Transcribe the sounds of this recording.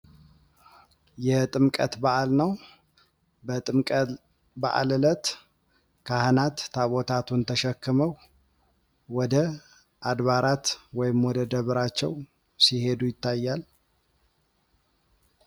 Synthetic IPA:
jɛt̪ʼɨmkʼət̪baʔalnəw | bət̪ʼɨmkʼ | ba̰ʔa̰lɨlət̪ | kʰahnat̪ːʰaβot̪ʰat̪ʰunt̪ʰəʃɛkːɨməw | wɔd̪ə | ʔad̪βaɾat̪wɔjɪmwɔd̪əd̪əβɨɾat͡ʃːɛw | sihe̞d̪ujɪt̪ːajːal

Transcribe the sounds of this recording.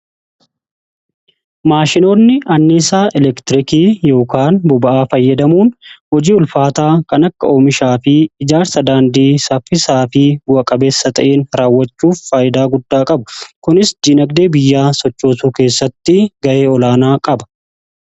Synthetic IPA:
maːʃɪno̞ːnːɪʔɐnːɪsaːʔɛlɛkt̪ɪɾɪkiːjo̞ːkaːnbʊbɐʔaːfɐjːɐd̪ɐmuːnhɔd͡ʒiːʊlfaːt̪aːkɐnɐkːɐoːmɪʃaːfɪːd͡ʒaːɾsɐd̪aːnd̪iːsɐfɪsaːfɪwɐkʼɐbeːsːɐt̪ɐ̰ʔeːnɾaːwːɐt͡ʃːuːfːaːjɪd̪aːɡʊd̪ːaːkʼɐbʊkʊnɪsd̪inɐɡd̪e̞ːbɪjːaːsɔt͡ʃːo̞ːsuːke̞ːsːɐt̪ːɪɡɐʔe̞ːɔlaːnaːkʼɐbɐ̥

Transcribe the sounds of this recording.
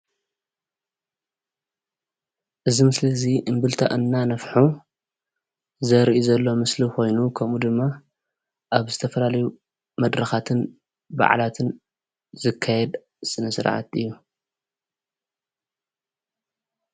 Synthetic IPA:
ʔɨzimɨslɐziʔɨmbɨlt̪ʰaʔɨnːanɐfħu | zɐɾiʔuzɐlːo̞mɨsliko̞jnukʰɐmud̪ɨmːa | ʔaβzɨt̪ʰɐfɐlalɐju | mɐd̪ɾɐxat̪ʰɨn | ba̰ʕ̰lat̪ʰɨn | zɨkʰːajɛd̪ | sʼɨnɐsɨɾʕa̰t̪ɨjːu

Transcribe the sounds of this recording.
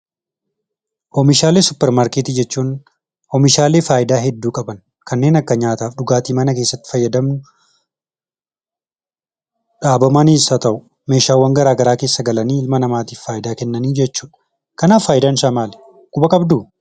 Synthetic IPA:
ʔɔmɪʃaːle̞ːsʊpːɛɾmaːɾkeːt̪id͡ʒɛt͡ʃːuːn | ɔmɪʃaːleːfaːʔɪd̪aːɦɛd̪ːuːkʼɐbɐn | kʰɐnːe̞ːnɐkːɐɲaːt̪aːfɗʊɡaːt̪iːmɐnɐkeːsːɐt̪ːɪ̥fɐjːɐd̪ɐmnʊ | ᶑaːbɐmɐniːsɐt̪ɐʔʊ | me̞ːʃaːwːɐŋɡɐɾaːɡɐɾaːke̞ːsːɐɡɐlɐniːɪlmɐnɐmaːt̪iːfːaːjɪd̪aːkɛnːɐniːd͡ʒɛt͡ʃːuːᶑɐ | kɐnaːfːaːjɪd̪aːnʃaːmaːlɛ̥ | kʼʊbɐkʼɐbd̪uː

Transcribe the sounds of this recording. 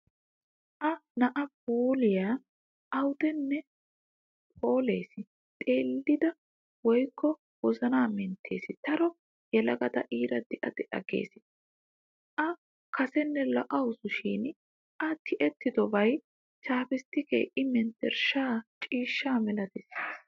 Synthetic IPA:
ʔɐnɐʔɐb̚uːlɪjaː | ɐwʊd̪ɛnːɛ | pʰo̞ːle̞ːsɪ | t̪ʼe̞ːlːɪd̪ɐ | wɔjkːɔ | wɔzɐnaːmɛnt̪ʰːe̞̰ːsɪt̪ɐɾɔ | jɛlɐɡɐd̪ɐ̰ʔiːɾɐd̪ɛʔɐd̪ɛʔɐ̰ɡḛːsɪ | ʔɐ | kʰɐsɛnːɛlɔʔɐwʊsʊʃiːn | ʔɐt̪ʰɪʔɛt̪ːɪd̪ɔbɐj | t͡ʃaːpɪst̪ːɪkḛːʔɪmɛnt̪ɛɾʃaːt͡ʃʼiːʃːaːmɛlɐd̪ɪsiːs

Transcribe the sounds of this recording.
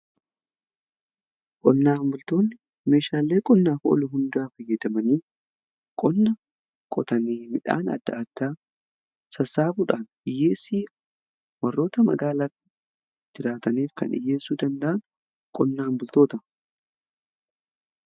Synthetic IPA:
kʼɔnːaːmbʊlt̪o̞ːnːɪ | me̞ːʃaːlːe̞ːkʼɔnːaːfʔɔ̰lʊɦʊnd̪ʊaːfɐjːɐd̪ɐmɐniː | kʼɔnːɐ | kʼɔt̪ɐniːmɪᶑa̰ːnɐ̰d̪ːɐ̰ːd̪̥ːaː | sɐsaːbuːᶑaːnʔɪjːe̞ːsiː | wɐrːo̞ːt̪ɐmɐ̰ɡaːlatɪ | d͡ʒɪɾaːt̪ɐniːfkɐ̰nɪ̰jːe̞ːsːuːd̪ɐnd̪ɐʔɐn | kʼɔnːaːnbʊlt̪oːt̪ɐ

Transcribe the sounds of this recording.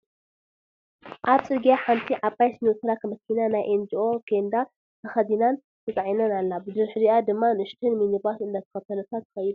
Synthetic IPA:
ʔaβt͡sʼɨɾɡijaħant̪ʰiʕapːajsnut̪ʰɨɾakʰɐmɐkʰːinanajʔend͡ʒiʔo̞ɡend̪a | t̪ʰɐxɐd̪inan | t̪ʰɐt͡s̪ʼɐʕinɐnalːabɨd̪ɨɾħɨziʔad̪ɨmːanɨʃt̪ʰɨnminibasɨnd̪ɐt̪ʰɐ̥xɐt̪ʰɐnɐt̪ʰat̪ːxɐjid̪u

